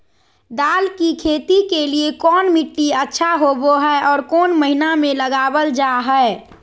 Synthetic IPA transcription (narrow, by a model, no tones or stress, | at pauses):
d̪aːlkikʰeːt̪ikeliekɔːnmiʈːiətːʃʰaɦoboɦɛeʔɔːɾkoːnməɦinamẽləɡabəld͡ʒaɦɛe